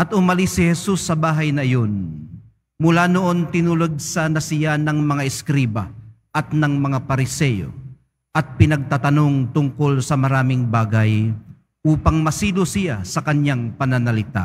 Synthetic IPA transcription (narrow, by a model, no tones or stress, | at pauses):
ʔɐt̪ʊmɐlisːɪhɛsusːɐbaːɦɐjnɐʔɐjo̞n | mʊlanoʔo̞nt̪ɪnulʊɡ̚sɐnɐsɪjanɐŋmɐŋaʔɪskɾiːbɐ̰ | ʔɐt̪nɐŋmɐŋapɐɾɪsɛjo̰ | ʔɐt̪̚pɪnɐɡ̚t̪at̪ɐno̞ŋt̪ʊŋkolsɐmɐɾaːmɪŋbaːɡɐj | ʔuːpɐŋmɐsiːlosɪjasɐkɐɲjaŋpɐnɐnɐlɪt̪a̰